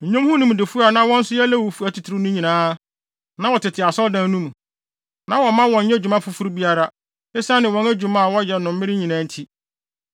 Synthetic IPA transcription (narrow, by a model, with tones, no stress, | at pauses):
ɲ̩˨ɲõ˦mhʊ̃˦nũ˦m˨dɪ˨fu˦a˨nã˦wɔ̃˦n̩˦sʊ˦jɛ˦lɛ˦wo˨fu˨æ˦tʰi˨tʰɾɪ˦nʊ̃˦ɲĩ˨nãː˦ | nã˦wɔ˨tʰɪ˨tʰɪ˨a˨sɔ˦ldã˦nũ˦mũ˨ | nã˦wɔ˨mã˦wɔ̃˨ɲ̩˦ɛ˦d͡ʑᶣu˨mã˦fʊ˦fu˦ɾbi˦a˦ɾa˦ | e˦sa˦nɪ̃˨wɔ̃˦næ˦d͡ʑᶣu˨mã˦a˨wɔ˦jɛ˨nʊ̃˨m̩˦mɪ̃˦ɾɪ˦ɲĩ˨nã˦n̩˦tʰi˦